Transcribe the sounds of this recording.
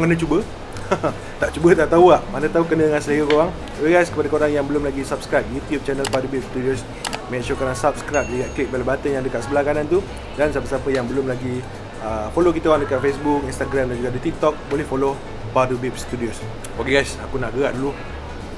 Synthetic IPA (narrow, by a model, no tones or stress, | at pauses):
ŋkənə̃t͡ʃubə | t̪aʔt͡ʃubət̪aʔt̪auaʔmanə̃t̪aukənəŋansələɡəkowaŋ | okeɡajskəpadakəoɾaŋjaŋbəlʊmlaɡisap̚skɾajp̚jut̪jub̚t͡ʃɛnəlpadubip̚st̪udiʊs | meʃokoɾaŋsap̚skɾap̚dəɡaʔ̪̚klik̚baləbat̪ənjaŋdəkaʔ̪səbəlahkanant̪u | dansapəsapəjaŋbəlʊmlaɡi | əfolokit̪aowaŋdəkaʔ̪̚fesbuk̚inst̪aɡɾamdand͡ʒuɡaʔdit̪ik̚t̪ɔk̚bolɛhfolo | padubip̚st̪udios | okeɡajsakunaʔɡəa̰ʔdulu